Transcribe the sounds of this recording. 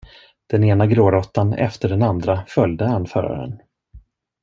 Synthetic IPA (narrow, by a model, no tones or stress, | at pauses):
d̪̥ɛneːnaɡɾoːɾɔt̪ːanɛ̰ft̪əɖɛnand̪ɾafœljd̪əanfœ̰ːɾa̰ɾə̰n